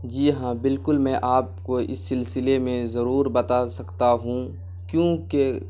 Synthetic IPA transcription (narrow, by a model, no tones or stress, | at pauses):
d͡ʒiːɦãːbɪlkʊlmɛ̃ːʔaːp̚koɪ̰sːɪlsɪlemẽzɐɾuːɾbɐt̪asɐkt̪aɦũ | kjõːke